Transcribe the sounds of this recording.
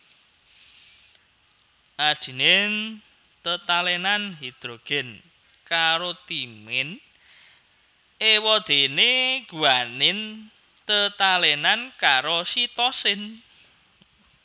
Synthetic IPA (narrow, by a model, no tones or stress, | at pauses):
ʔad̥i̤nen | t̪ət̪alɛnanɦid̪̥ɾoɡ̥ɛ̤n | kaɾot̪imɪn | ewɔd̪̥e̤neɡ̥uanɪn | t̪ət̪alɛnankaɾosit̪ɔsɪn